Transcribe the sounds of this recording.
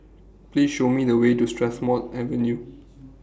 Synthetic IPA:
plisʃomidəwetustɹɛsmɔtɛvɛ̃nju

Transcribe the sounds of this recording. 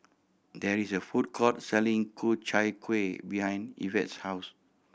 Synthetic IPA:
dɛɹisəfut̚kʰɔt̚sɛlĩŋkʰut͡ʃajkʰwebihãjnḭvɛ̰̃tshaʊs

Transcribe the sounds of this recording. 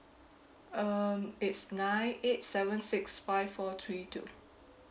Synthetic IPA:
ʌmɪtsnãɪ̃net̚sɛvə̃nsɪksfaɪvfɔt̪ʰɹitʰṵ

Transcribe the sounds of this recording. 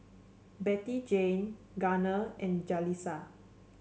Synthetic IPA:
bɛtid͡ʒẽn | ɡanəɛ̃nd͡ʒalisa

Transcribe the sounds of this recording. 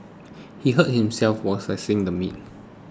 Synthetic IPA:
hiɦət̚hĩmsɛlfwɔsasĩŋdəmḭt̚

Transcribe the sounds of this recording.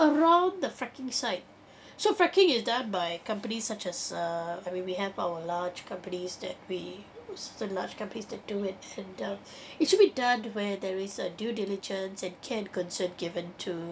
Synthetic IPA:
əɹãʊ̃nd̪əfɹɛkɪ̃ŋsaɪt̚ | sofɹɛkɪ̃ŋɪsdʌ̃nbaɪkʌ̃mpənisːat͡ʃɛzʌaɪmĩnwiɦɛvaʊəlad͡ʒkʰʌ̃mpənisd̪ɛ̰t̚wissə̃nlaːd͡ʒkʌ̃mpənisdɛt̚d̥uɪt̚ɛ̃ndʌ | ɪtʃʊd̚bidʌ̃nwɛd̪ɛɹɪzədjudɪlɪd͡ʒə̃nsɛ̃nkʰɛ̃nkɔ̃nsə̃nɡɪvə̃ntʰu

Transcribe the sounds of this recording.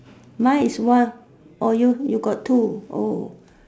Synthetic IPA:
mãjiswãn | ɔjujuɡɔtʰːuo

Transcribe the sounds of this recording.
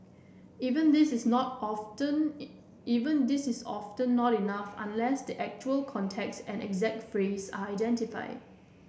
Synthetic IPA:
ivə̃ndɪsɪsnɔtə̃n | ivə̃ndɪsɪsɔ̰ftə̃nːɔtinafã̰nlɛsdiʔɛk̚t͡ʃuəlkʰɔ̃ntʰɛk̚sɛ̰̃nɛ̰ɡzɛk̚tfɹesa̰aɪdɛ̃ntifa̰ɪd̚

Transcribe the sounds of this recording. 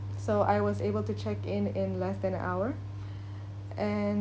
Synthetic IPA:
soʊʔa̰ɪwʌzeɪbəl̩ˠtɨt͡ʃʰɛkɪ̃nɪ̃nlɛsdɨ̃ñʔa̰ʊə˞ | ʔɨ̃n

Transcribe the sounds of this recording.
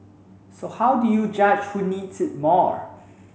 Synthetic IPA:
sohawdujud͡ʒad͡ʒhunidsɪt̚mɔɹ

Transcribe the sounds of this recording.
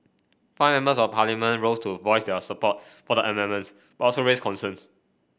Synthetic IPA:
faɪmɛ̃mbəsɔvpʰalimə̃nɹostʰuvɔɪsdɛsəpɔt̚fɔdəʔəmɛ̃nmə̃ns | b̥atɔlsoɹeskʰɔ̃nsə̃ns

